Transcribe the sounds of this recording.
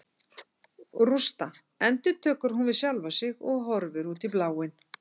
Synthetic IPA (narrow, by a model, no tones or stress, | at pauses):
rust̪a | ɛnt̪ʏt̪ʰœːkʏɾ̥ɦunvɪðsjalvasɪɣɔɣɦɔɾvɪɾuːt̪ɪplaːwɪn